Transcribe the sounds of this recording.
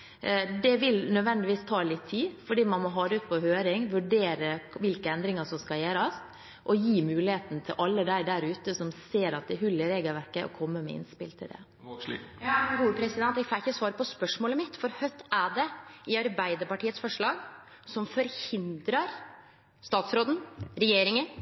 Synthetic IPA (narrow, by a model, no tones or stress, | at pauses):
d̪ɛʋɪlnœd̪ʋɛnd̪ɪʋiːst̪ʰɑːlɪt̪ʰːiːfɔɖiːmɑnmɔɦɑːd̪əʉːt̪̚pʰɔhøːɾɪŋʋʉɖeːɾəʋɪlkəɛnd̪ɾɪŋɑsɔmskɑljeːɾɑs | ʔɔjiːmʉːlɪheːt̪n̩t̪ʰɪlʔɑlːəd̪æɪd̪æɾʉːt̪əsɔmseːɾɑt̪̚d̪ɛɦʉlːəɾeːɡəlʋæɾkəʔɔ̰kʰɔmːəmɛ̰ɪ̰nspɪ̰lt̪ʰɪld̪ɛ̰ | ɡuːpʰɾɛsɪd̪ɛnt̪ːɛɡfɑːɪçəsʋɑːɾəpɔspœʂmoːləmɪt̪fɔɾhœt̪ʰːæɖɛɪɑɾbæɪd̪əɾpɑʈiːət̪sfɔʂɭɑːɡ | sɔmfɔɾhɪnd̪ɾɑɾ | st̪ɑːt̪sɾoːd̪n̩ɾɛjeːɾɪŋə